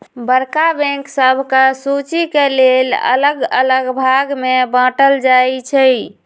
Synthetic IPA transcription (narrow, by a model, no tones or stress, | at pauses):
bəɾkabɛ̃ŋksəbʱkasut͡ʃikelelə̰ləɡə̰ləɡbʱaɡmebãʈəld͡ʒajt͡ʃʰə